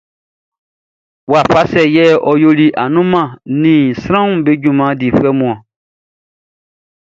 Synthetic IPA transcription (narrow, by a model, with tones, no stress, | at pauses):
wa˨fa˦sɛ˨jɛː˦˨ʔɔ˨jo˦li˦ʔa˨nũ˦mã˨nĩː˨sɾ̃ã˦ũ˨be˦ɟũ˨mã˨˦diː˨fɛ˦mũ˨ã˨